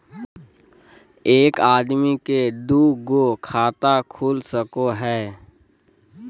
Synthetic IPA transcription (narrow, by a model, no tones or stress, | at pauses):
eːkaːd̪miked̪uːɡokʰaːt̪akʰuːlsəkoɦɛː